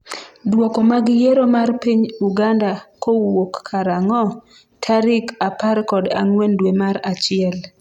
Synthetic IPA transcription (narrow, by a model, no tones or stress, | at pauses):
dwɔkɔmaɡɪjeɾomarpiɲuɡandakowokːʰaɾaŋɔ | tʰaɾɪkapaɾkɔdaŋwendwemaɾat͡ʃɪɛl